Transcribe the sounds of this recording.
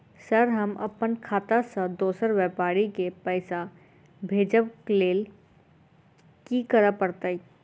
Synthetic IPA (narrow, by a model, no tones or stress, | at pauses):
səɾɦəmə̰pənkʰaːt̪asə̃d̪oːsəɾwɛpaːɾikepəɪsa | bʱeːd͡ʒəbkleːl | kikəɾəpəɾt̪əi